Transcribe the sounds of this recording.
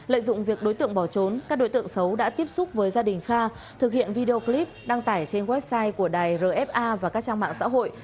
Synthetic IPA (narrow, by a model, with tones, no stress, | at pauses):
lə̰ː˧˨jzʊ̰˧˨ŋ͡mvi˨˩ək̚ɗo˨˦jt̪ɨ̰˧˨əŋɓɔ˧˩t͡ɕo˨˦nkaː˦˥k̚ɗo˨˦jt̪ɨ̰˧˨əŋsə˨˦wɗa̰ː˧˥t̪i˦˥əp̚sʊ˦˥k͡p̚vəː˨˦jzaː˧ɗï˨˩ŋ̟xaː˧ | t̪ʰɨ˨˩k̚hḭ˧˨ənvi˧ɗe˧o˧kli˦˥p̚ɗaː˧ŋt̪aː˧˩jt͡ɕe˧nɣwɛ˦˥p̚saː˧jku˧˩əɗaː˨˩jzəː˨˩ʔɛ˦˥p̚ʔaː˧vaː˨˩kaː˦˥k̚t͡ɕaː˧ŋma̰ː˧˨ŋsa̰ː˧˥ɦo̰˧˨jʔ